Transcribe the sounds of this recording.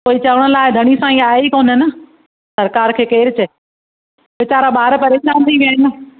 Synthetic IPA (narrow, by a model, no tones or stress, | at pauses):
koːit͡ɕɐʋəɽ̃̆laːɪd̪ʱɐɽ̃isãːĩaːɦeikoːnɦɪnɪ̆ | sɐɾkaːɾkʰeːkeːɾɪt͡ɕɐ | ʋɪt͡ɕaːɾaɓaːɾpɐɾeːʃaːnt̪ʰiʋjaɦɪnɪ̆